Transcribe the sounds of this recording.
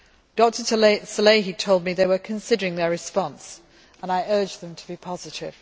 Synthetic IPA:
d̥ɒk̚tʰətʰsəleɪitʰoʊlˠd̚miðeɪwəkʰə̃nsɪdəɹɪ̃ŋðəɹɨspɑ̃ns | ə̃naɪɜ˞d͡ʒðə̃mtʰəbipʰɑzɪtɪ̰v̥

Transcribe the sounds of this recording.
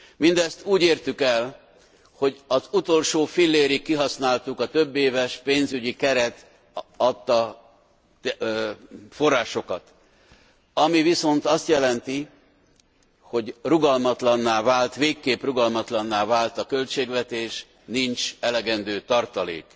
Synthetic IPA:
mind̪ɛst̪uːɟeːrt̪ykɛl | ho̞ɟɒzut̪o̞lʃoːfilːeːɾikːiɦɒsnaːlt̪ukɒt̪ø̞bːeːvɛʃpeːnzyɟikɛɾɛt̪ | ɒt̪ːɒ | fo̞rːaːʃo̞kɒt̪ | ɒmiviso̞nt̪ɒst̪jɛlɛnt̪i | ho̞ɟruɡɒlmɒt̪lɒnːaːvaːlt̪ʋeːkːeːpruɡɒlmɒt̪lɒnːaːvaːlt̪ɒkø̞lt͡ʃeːɡvɛt̪eːʃ | nint͡ʃɛlɛɡɛnd̪øːt̪ɒrt̪ɒlḛːk

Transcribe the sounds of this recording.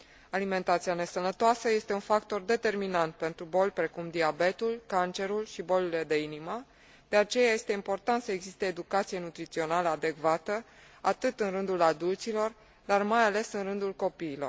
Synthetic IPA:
alime̞nt̪at̪siane̞sənət̪oasəje̞st̪e̞unfakt̪o̞rd̪e̞t̪e̞rminant̪̚pe̞nt̪ɾubo̞lʲpɾe̞kumd̪iabe̞t̪ulkant͡ʃe̞ɾulʃibo̞lile̞d̪e̞inimə | d̪̥e̞at͡ʃe̞jaje̞st̪e̞impo̞rt̪ant̪səeɡzist̪eːd̪ukat̪sije̞nut̪ɾit̪sio̞naləad̪e̞kvat̪ə | at̪ɨt̪ɨnrɨnd̪ulad̪ult̪silo̞r | d̪armajale̞sɨnrɨnd̪ulko̞piːlo̞̰r

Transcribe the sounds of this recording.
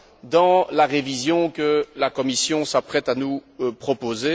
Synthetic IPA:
d̪ɑ̃laʁevizjɔ̃kəlakɔmisjɔ̃sapχɛt̪anupχɔpoze

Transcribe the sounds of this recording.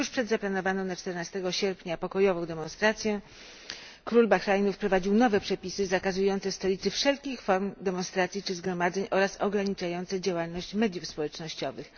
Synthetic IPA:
juʂpʂɛd̪zaplanɔvanɔ̃w̃nat͡ʂt̪ɛɾnast̪ɛɡɔɕɛɾpʲɲapɔkɔjɔvɔ̃w̃d̪ɛmɔnst̪ɾat̪sʲjɛ | kɾulbaxɾajnufpɾɔvad͡ʑiwnɔvɛpʂɛpʲisɘzakazujɔnt̪sɛst̪ɔlʲit̪sɘfʂɛlkʲixfɔɾmd̪ɛmɔnst̪ɾat̪sʲjit͡ʂɘzɡɾɔmad̪zɛɲʔɔɾasɔɡɾaɲit͡ʂajɔnt̪sɛd͡ʑawalnɔɕt͡ɕmɛd̪ʲjufspɔwɛt͡ʂnɔɕt͡ɕɔvɘx

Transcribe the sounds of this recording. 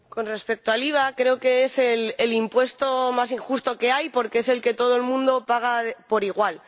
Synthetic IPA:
ko̞nre̞spe̞k̚t̪oaliβ̞akɾe̞oke̞eselelimpwe̞st̪o̞mas̬iŋxust̪o̞ke̞ajpo̞ɾkeese̞lke̞t̪o̞ð̞oelmũnd̪o̞paɣ̞aðpo̞ɾiɣ̞wal

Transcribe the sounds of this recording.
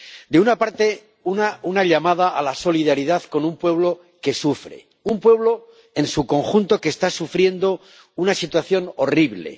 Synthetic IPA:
d̪eunapaɾt̪e̞ | unaunaʎamað̞aʔalaso̞liðaɾiðaðko̞numpwe̞β̞lo̞ | ke̞sufɾe̞̰ | umpwe̞βlo̞ | e̞nsuko̞ŋxunt̪o̞keːst̪asufɾje̞nd̪o̞ | unasit̪waθjo̞no̞riβle̞̰

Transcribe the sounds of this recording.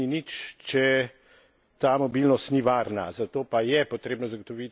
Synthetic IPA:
init͡ʃt͡ʃɛ | t̪aːmɔbilnɔst̪niʋaːɾna̰zat̪oːpajɛpot̪ɾeːbnɔzaɡot̪ɔʋit̪

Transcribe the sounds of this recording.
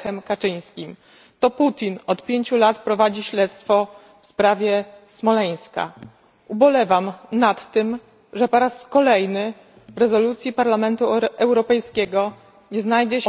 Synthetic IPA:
xɛmkat͡ʂɘj̃skʲim | t̪ɔput̪ʲinɔt̪pʲjeɲt͡ɕulat̪pɾɔvad͡ʑiɕlɛt̪st̪fɔ | fspɾavʲjɛsmɔlɛj̃ska̰ | ubɔlɛvamnat̪ːɘm | ʐɛpɔɾaskɔlɛjnɘ | vɾɛzɔlut̪sʲjipaɾlamɛnt̪uɛwɾɔpɛjskʲɛɡɔ | ɲɛznajd͡ʑɛ

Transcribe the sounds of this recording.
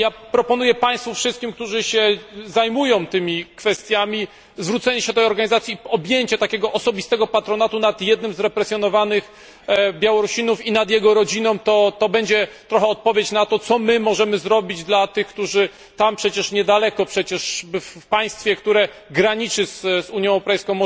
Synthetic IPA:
japɾɔpɔnujɛpaj̃st̪fufʂɨst̪kʲimk̚t̪uʐɘɕɛzajmujɔ̃w̃t̪ɘmʲikfɛst̪ʲjamʲi | zvɾut̪sɛɲɛɕɛt̪ɛjɔɾɡaɲizat̪sʲiɔbʲjeɲt͡ɕɛt̪akʲɛɡɔʔɔsɔbʲist̪ɛɡɔpat̪ɾɔnat̪unat̪jɛd̪nɘmzɾɛpɾɛsʲjɔnɔvanɘx | bʲjawɔɾuɕinufinad̪jɛɡɔɾɔd͡ʑinɔ̃w̃t̪ɔt̪ɔbɛɲd͡ʑɛt̪ɾɔxɛɔt̪̚pɔvʲjet͡ɕnat̪ɔt̪sɔmɘmɔʐɛmɘzɾɔbʲid͡ʑd̪lat̪ɘxkt̪uʐɘ | t̪ampʂɛt͡ɕɛʂɲɛd̪alɛkɔpʂɛt͡ɕɛʂfpaj̃st̪fʲɛkt̪uɾɛ | ɡɾaɲit͡ʂɘszuɲjɛ̃wɛwɾɔpɛjskɔ̃w̃mɔ

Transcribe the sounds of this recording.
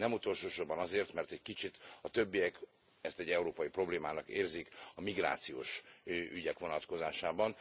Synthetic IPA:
nɛmut̪o̞lʃoːʃobɒnɒzeːrt̪mɛrt̪ɛckit͡ʃit̪ɒt̪ø̞bːijɛk | ɛst̪ɛɟːɛuɾoːpɒjipro̞bleːmaːnɒkeːrzikɒmiɡra̰ːt̪sijo̰ːʃʔyɟɛkʋo̞nɒt̪ko̞zaːʃaːbɒn

